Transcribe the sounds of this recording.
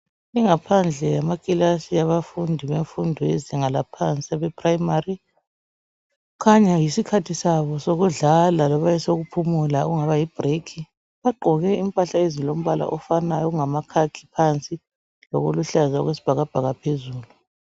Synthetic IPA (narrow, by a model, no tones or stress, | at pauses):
iŋapʰand͡ɮʱɛjamakʼilasiaβafundʱiβeɱfundʱɔɛziŋalapʰant͡sʼiaβɛpʰʼraimari | kʰaɲajisikʰatʰisaβɔsoɣuɮalalɔβajɛsoɣupʰumulaɣuŋaβajib̥ʱrekʰi | βaɡ͡ǃʱɔɣɛim̩pʼaɬaezilom̩βala̰ʔɔfanajɔuŋamakʰakʰi̥pʰant͡sʼi | lɔɣoluɬaza̰ɣwesi̥b̥ʱaɣab̥ʱaɣapʰezuːlu